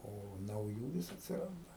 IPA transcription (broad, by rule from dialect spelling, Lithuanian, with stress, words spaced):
oː nɐʊˈjuː ˈʋʲɪs ɐtʲsʲɪˈrɐndɐ